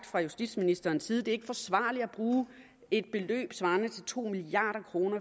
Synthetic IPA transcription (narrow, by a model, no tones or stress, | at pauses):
d̥fʁɑ̈jusd̥ḭːd̥sminisd̥ɐːnsːiːð̞̩ˠd̥e̝eɡ̥əfɒ̽sʋɑ̰̈ːliæb̥ʁuː | e̝d̥̚b̥e̝lø̰ːb̥sʋɑ̈ːnət͡sʰe̝lt͡sʰo̝̰ːmiliɑ̰̈ːɾ̥ɐkʰʁo̝ːnɐ